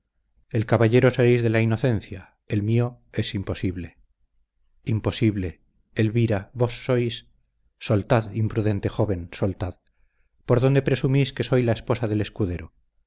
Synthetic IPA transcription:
elkaβaʎe̞ɾo̞seɾejzðe̞laino̞θe̞nθja | e̞lmio̞e̞simpo̞siβle̞ | impo̞siβle̞ː | lβiɾaβo̞sːo̞jsː | o̞lt̪aðimpɾuðe̞nt̪e̞xo̞βe̞nso̞lt̪að | po̞ɾðo̞nd̪e̞pɾe̞sumiske̞so̞jlaespo̞saðe̞le̞skuðe̞ɾo

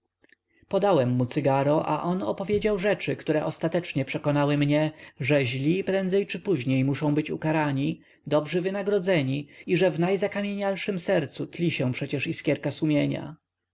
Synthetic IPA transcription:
pɔd̪awɛmːut̪sɘɡaɾɔʔa̰ʔɔnɔ̰pɔvʲjed͡ʑawʐɛt͡ʂɘkt̪uɾɛʔɔst̪at̪ɛt͡ʂɲɛpʂɛkɔnawɘmɲɛʐɛʑlʲipɾɛnd̪zɛjt͡ʂɘpuʑɲejmuʂɔ̃w̃bɘt͡ɕṵkaɾaɲi | d̪ɔbʐɘvɘnaɡɾɔd̪zɛɲiiʐɛvnajzakamʲjeɲalʂɘmsɛɾt̪sut̪lʲiɕɛ̃pʂɛt͡ɕɛʂiskʲjɛɾkasumʲjeɲa̰

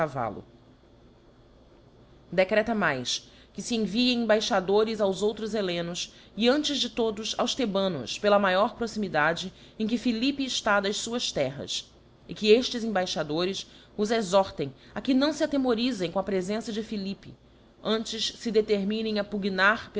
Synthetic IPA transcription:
ava̰lʊ̰ | d̪ekɾɛt̪ɐmajs | kɪsiẽviẽj̃ẽbajʃad̪oɾɪzawzowt̪ɾʊzelẽnʊs | ɪɐ̃nt͡ʃɪzd͡ʒɪt̪od̪ʊsawst̪ebɐ̃nʊ̰spelɐmajɔɾpɾosimid̪ad͡ʒɪ | ẽk̬ɪfilipɪːʃt̪ad̪ɐʃsuɐst̪ɛɦɐ̰s | ɪkɪeʃt͡ʃɪzẽbajʃad̪oɾɪs | ʊzezɔɾt̪ẽj̃ | akɪnɐ̃w̃sɪat̪emoɾizẽj̃kõɐpɾezẽsɐd͡ʒɪfilipɪ̰ | ɐ̃nt͡ʃɪʃsɪd̪et̪eɾmĩnẽj̃apuɡinaɾpe

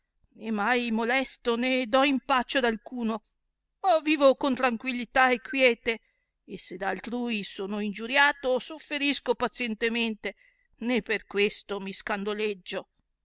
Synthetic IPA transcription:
nemːajmolɛst̪oned̪ɔimpat͡ʃːoad̪alkuːno | ɔviːvokont̪ɾaŋkwilːit̪aekʰːwjɛːt̪e | esed̪aːlt̪ɾuːisoːnoind͡ʒuɾjaːt̪osofːeɾiskopat̪sjɛnt̪ement̪e | nepːerkwest̪omiskand̪oled͡ʒːo

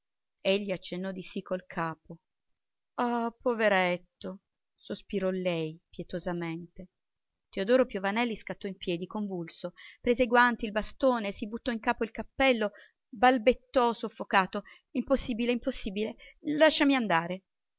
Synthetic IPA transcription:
eʎːiat͡ʃːenːɔd̪isikʰːolkʰaːpo | ɔpoveɾet̪ːo | sospiɾɔlɛjpjɛt̪ozament̪e | t̪eod̪ɔːɾopjovanɛlːiskat̪ːɔimpjɛːd̪ikoɱvulsopɾeːzeɡwant̪ilbast̪oːnesibut̪ːɔiŋkaːpoilkapːɛlːo | balbet̪ːɔsofːokaːt̪o | imposːiːbileimposːiːbilelaʃːamiand̪aːɾe

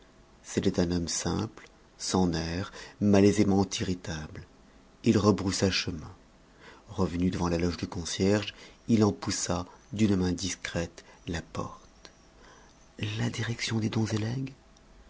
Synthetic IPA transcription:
set̪ɛt̪ɛ̃nɔmsɛ̰̃pl | sɑ̃nɛʁmalezemɑ̃t̪iʁit̪abl | ilʁəbʁusaʃəmɛ̃ | ʁəvənyd̪əvɑ̃lalɔʒd̪əkɔ̃sjɛʁʒilɑ̃pusad̪ynmɛ̃d̪iskχɛt̪lapɔ̰ʁt̪ | lad̪iʁɛksjɔ̃d̪ed̪ɔ̃zelɛɡ

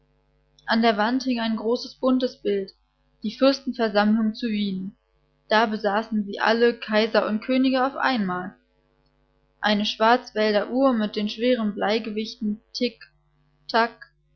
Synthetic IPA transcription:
ʔandeːɐvanthɪŋaɪnɡʁoːsəsb̥ʊntəsb̥ɪlt | d̥iːfʏɐstn̩fɛɐzamlʊŋt͡suviːnən | d̥aːbəzaːsn̩ziːʔa̰ləkʰaɪzɐʔʊntkʰøːnɪɡəaʊfʔa̰ɪnmaːl | ʔaɪnəʃv̥aɐt͡sv̥ɛldɐʔuːɐmɪt̚d̥eːnʃv̥eːʁ̞ənblaɪɡəvɪçtn̩tʰɪk | tʰak̚

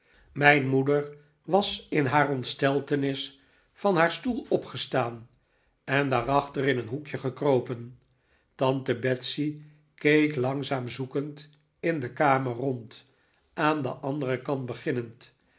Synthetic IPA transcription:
mɛjnmudəɹ | ʋɑsɪnɦaːrɔntstɛlˠtənɪs | fɑnɦaːɹstulˠɔpχəstaːn | ɛndaːɾɑχtərɪnənɦukjəχəkrowpən | tɑntəbɛtsi | kejklɑŋzaːmzukənt | ɪndəkaːmərɔnt | ʔaːndə̰ʔɑndərəkɑnt̚bəχɪnənt

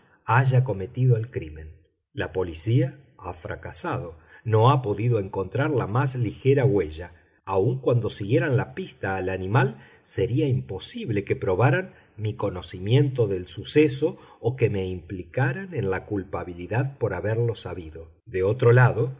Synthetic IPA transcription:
aʒako̞me̞t̪iðoelkɾimẽ̞n | lapo̞lisia | afɾa̰kasaðo̞ | no̞apo̞ðiðo̞e̞ŋko̞nt̪ɾaɾlamaslixeɾaɣweʒaː | uŋkwand̪o̞siɣje̞ɾanlapist̪aːlanĩmal | se̞ɾiaimpo̞siβle̞kepɾo̞βaɾan | miko̞no̞simje̞nt̪o̞ðe̞lsuseso̞ː | ke̞me̞implikaɾanenlakulpaβiliðaðpo̞ɾaβeɾlo̞saβiðo̞ | d̪eo̞t̪ɾo̞laðo̞

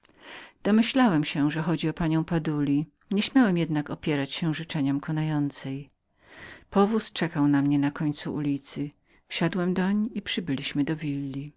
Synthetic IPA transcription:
d̪̥ɔmɘɕlawɛmɕɛʐɛxɔd͡ʑiɔpaɲɔ̃w̃pad̪ulʲi | ɲɛɕmʲjawɛmjɛd̪nakɔpʲjɛɾat͡ɕɕɛʐɘt͡ʂɛɲɔmkʰɔnajɔnt̪sɛj | pɔvust͡ʂɛkawnamɲɛnakɔɲt̪suʔulʲit̪sɘ | fɕad̪wɛmd̪ɔɲipʂɘbɘlʲiɕmɘd̪ɔvʲilʲːi

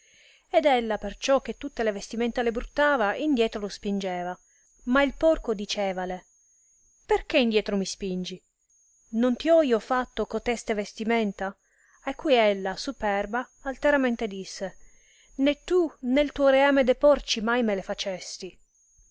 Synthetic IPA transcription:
ed̪ɛlːapert͡ʃɔk̟ːet̪ːut̪ːelevest̪imɛnt̪alebɾut̪ːaːvaind̪jɛːt̪ɾolospind͡ʒeːva | mailpɔrkod̪it͡ʃeːvale | perk̟eind̪jɛːt̪ɾomispind͡ʒi | nont̪iɔiːofat̪ːokot̪ɛst̪evest̪imɛnt̪a | ajkːujɛlːasupɛrbaːlt̪eɾamɛnt̪ed̪isːe | net̪ːunelt̪uːoɾeaːmed̪epɔrt͡ʃimajmelefat͡ʃest̪i

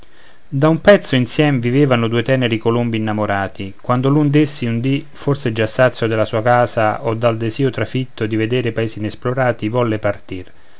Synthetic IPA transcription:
d̪aumpɛt̪sːʊinsjɛmeviveːvanʊd̪uːet̪ɛːneɾikolumbiːnːamoɾaːt̪ikwand̪ʊlund̪esːiund̪iforseɛd͡ʒasːat̪sːjod̪ɪlasuːakaːzaʔɔd̪ːald̪eziːot̪ɾafit̪ːʊd̪ived̪eːɾepaeːsinɛsploɾaːt̪ivɔlːepart̪ir

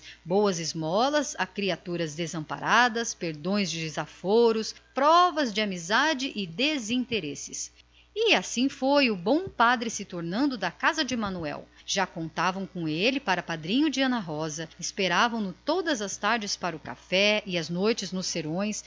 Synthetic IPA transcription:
bowɐzɪzmɔlɐzakɾiat̪uɾɐzd̪ezɐ̃mpa̰ɾʔad̪ɐspeɾd̪õj̃zd͡ʒɪd͡ʒɪzafoɾʊspɾɔvɐzd͡ʒɪamizad͡ʒɪʔɪd̪ezĩnt̪eɾesɪs | ɪasĩfojʊbõw̃pad̪ɾɪsɪt̪oɾnɐ̃nd̪ʊd̪ɐkazɐd͡ʒɪmɐ̃nuɛ̰wʒ̥akõnt̪avɐ̃w̃kõelɪpaɾɐpad̪ɾĩɲʊd͡ʒɪɐ̃nɐɦɔzɐɪspeɾavɐ̃w̃nʊt̪od̪ɐzɐst̪aɾd͡ʒɪspaɾɐʊka̰fɛɪɐznojt͡ʃɪznʊsːeɾõj̃s

